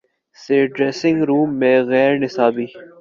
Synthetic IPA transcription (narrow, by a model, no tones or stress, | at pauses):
seːɖɾeːsɪ̃ŋɡɾuːmːeːɣɛːɾnɪsaːbiː